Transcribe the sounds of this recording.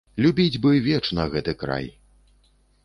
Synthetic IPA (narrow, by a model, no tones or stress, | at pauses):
lʲubʲid͡zʲbɨvʲɛt͡ʂnɐɣɛt̪ɨkɾa̰j